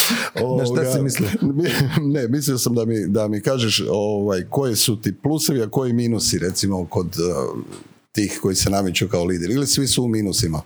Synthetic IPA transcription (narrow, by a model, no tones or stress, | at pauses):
oat̪aɡsaimisli | ne̞misliosamd̪amid̪amikaːʒeʃoʋajko̞jisut̪ipluso̞ʋiako̞jimiːnusiɾe̞t̪simoko̞d̪ | t̪iːxko̞jisenamit͡ʃukaoliːd̪eɾilisʋisuːmiːnusima